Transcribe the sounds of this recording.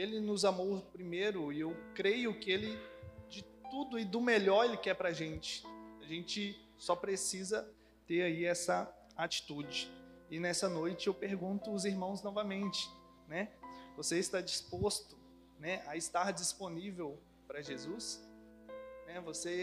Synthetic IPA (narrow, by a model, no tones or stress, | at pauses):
elɪnʊzamowpɾimejɾʊɪewkɾejʊkɪelɪd͡ʒɪt̪ud̪ʊɪd̪ʊmeʎɔɾelɪkɪɛpɾaʒẽnt͡ʃɪ̥aʒẽnt͡ʃɪ | sɔpɾesizɐ | t̪eɾaiɛsɐ | at͡ʃi̥t̪ud͡ʒɪɪnɛsɐnojt͡ʃɪewpeɾɡũnt̪ʊʊziɾmɐ̃w̃znɔvɐmẽnt͡ʃɪ̥ | nɛvoseɪst̪ad͡ʒispost̪ʊ | nɛʔɐɪst̪aɾd͡ʒisponivew | pɾɐʒezus | nɛvose